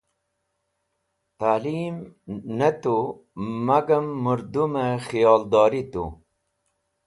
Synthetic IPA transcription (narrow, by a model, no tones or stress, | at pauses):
t̪aːlimnɐt̪u | mɐɡɐmːuɾd̪uməxijɑːld̪ɑːɾit̪ṵ